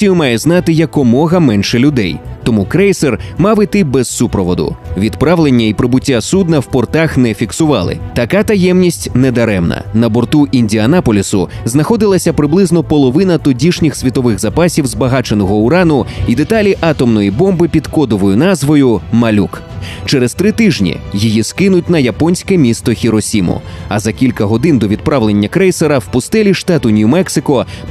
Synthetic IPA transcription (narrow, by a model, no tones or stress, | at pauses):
sʲijʊmɑjɛznɑt̪ɪjɐkɔmɔɣɐmɛnʃɛlʲʊd̪ɛ̰jt̪ɔmukɾɛjsermɑʋɪt̪ɪbɛzːupɾɔʋɔd̪ʊ̰ʋʲid̪pɾaʋlˠenʲːɐipɾɪbʊtʲːasud̪nɐwpɔrt̪axnɛfʲiksʊʋɑ̰lˠɪ̰t̪ɐkat̪ɐjɛmnʲisʲtʲned̪ɐɾɛmnɐ̰nɐbɔrt̪uʔinʲdʲiɐnapɔlʲisʊ̰ | znɐxɔd̪ɪlˠɐsʲɐpɾɪblˠɪznɔpɔlˠɔʋɪnɐt̪ʊdʲiʃnʲixsʲʋʲit̪ɔʋɪxzɐpasʲiwzbɐɦat͡ʃenɔɦɔʊɾanʊid̪et̪alʲiʔɑt̪ɔmnɔjibɔmbɪpʲid̪kɔd̪ɔʋɔjʊnazʋɔjʊmɐlʲuk | t͡ʃɛɾɛzt̪ɾɪt̪ɪʒnʲḭjijiskɪnʊt̚ʲn̪ɐjɐpɔnʲsʲkɛmʲist̪ɔxʲiɾɔsʲimʊ̰ɐzɐkʲilʲkɐɦɔd̪ɪnd̪ɔʋʲid̪̚pɾaʋlˠe̞nʲːɐkɾɛjseɾɐwpʊst̪ɛlʲiʃt̪at̪ʊnʲumɛksɪkɔ